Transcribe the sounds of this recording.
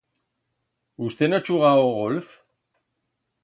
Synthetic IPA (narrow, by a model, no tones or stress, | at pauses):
ust̪e̞nat͡ʃuɣaoɣolf